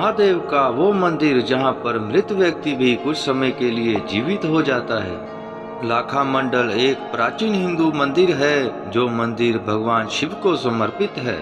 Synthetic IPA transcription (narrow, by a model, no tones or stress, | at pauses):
ɦad̪eːʋkaʋomɐ̃nd̪ɪɾd͡ʒɐɦãpɐɾmɾɪt̪ʋjək̚t̪ibʱikʊt͡ʃʰsɐməjkelied͡ʒiːʋɪt̪ɦod͡ʒaːt̪aɦɛ̰ː | laːkʰamə̃ɳɖəleːk̚pɾaːt͡ʃiːnɦɪ̃nd̪umɐ̃nd̪ɪɾɦɛː | d͡ʒoːmɐ̃nd̪ɪɾbʱɐɡʋaːnʃɪʋkosɐməɾpɪt̪ɦɛ̰ː